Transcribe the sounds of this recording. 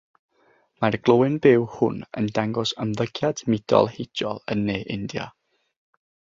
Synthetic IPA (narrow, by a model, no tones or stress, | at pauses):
marɡ̥lˠowɪnbɪwhʊ̰nə̰ndaŋɡɔsəmðəɡjadmɪd̥ɔ̰lˠhejdɔlˠənːeːʔɪndja̰